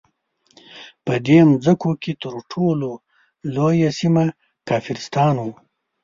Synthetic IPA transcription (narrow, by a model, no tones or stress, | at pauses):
pəd̪emzəkoket̪əɾʈʰolo | lojasima | kɑːfɪɾɪst̪ɑːnu